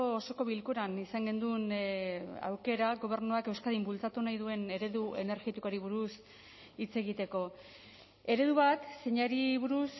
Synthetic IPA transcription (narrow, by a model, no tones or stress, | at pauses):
oːso̞ko̞βilkuɾanisaŋɡe̞nd̪un | a̰wke̞ɾaɣo̞β̞e̞ɾnuake̞wskaðimbult͡sat̪unajðue̞ne̞ɾe̞ðue̞ne̞ɾɣit̪ikoɾiβuɾus | it͡se̞ɣ̞it̪e̞ko̞ | e̞ɾe̞ðuβat̪se̞ɲaɾiβuɾus